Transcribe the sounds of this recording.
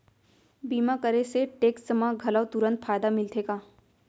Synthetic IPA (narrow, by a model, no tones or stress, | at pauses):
biːmakəɾeseʈeːksəmãɡʱɐləʋt̪ʊɾə̃nt̪fʰaːjd̪amɪlt̪ʰekaː